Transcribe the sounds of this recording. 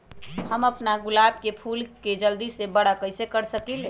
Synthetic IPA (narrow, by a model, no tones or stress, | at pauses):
həməpnaɡulab̚kepʰulked͡ʒəld̪isebəɽəkəɪsekəɾsəkil